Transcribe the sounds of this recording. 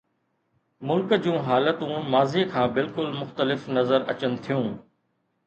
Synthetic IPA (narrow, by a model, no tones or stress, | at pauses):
mʊlkd͡ʑũːɦaːlət̪ũmaːziːkʰãːbɪlkʊlmʊxt̪əlɪfnɐzəɾɐt͡ɕənɪt̪ʰijũː